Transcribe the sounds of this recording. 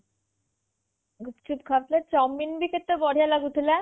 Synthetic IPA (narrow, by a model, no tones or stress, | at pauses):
ɡut͡ɕup̚kʰap̪let͡ɕɔmːinbiket̪ːobɔɽ̤ijalaɡut̪ʰile